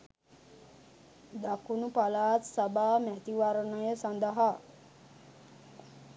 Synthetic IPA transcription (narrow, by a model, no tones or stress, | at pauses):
d̪akunupalaːt̪sabaːmæt̪iʋaɾənəjəsand̪əɦa